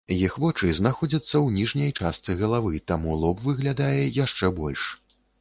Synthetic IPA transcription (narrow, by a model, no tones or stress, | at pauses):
jixvɔt͡ʂɨznaxɔd͡zʲɐt̪sːɐwnʲiʐnʲɐjt͡ʂast̪sɨɣɐlˠavɨt̪amulˠɔpvɨɣlʲad̪ajɛjaʂt͡ʂɛbɔlʲʂ